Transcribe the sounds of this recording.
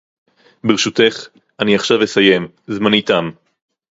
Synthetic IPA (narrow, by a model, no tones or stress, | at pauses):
beʁeʃut̪e̞χ | ʔaniaχʃavjesaje̞m | zmanitam